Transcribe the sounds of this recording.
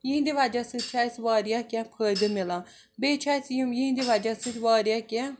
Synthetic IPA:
jĩnd̪iʋad͡ʒasɨt͡ʃʰaːsʋaːɾjaːkʲãpʰəːd̪ɨmɪlãː | beːt͡ʃʰaːsjijind̪iʋad͡ʒasɨt͡ʃʋaːɾjaːkʲã

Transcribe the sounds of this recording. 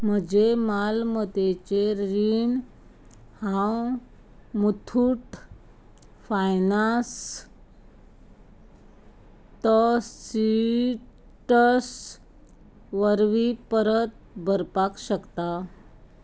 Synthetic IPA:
m̤əd͡ʑemalmət̪et͡ɕeɾiɳ | hãw | mut̪ʰuʈ | fajnas | t̪əsi | ʈəs | ʋəɾʋipəɾət̪̚ | bʱəɾpakɕəkt̪a

